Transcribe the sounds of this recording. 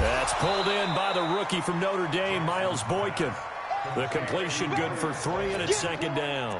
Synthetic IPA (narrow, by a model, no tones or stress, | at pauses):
ðætspʰʊlˠdɪ̃nbaɪðəɹʊkifɹʌ̃mnoʊɾə˞deɪmaɪlˠzbɔɪkɨ̃n | ðɨkʰɨ̃mpʰl̥iʃɨ̃nɡʊd̥fə˞θɹiɨ̃ñɨsɛkɨ̃ndãʊ̃n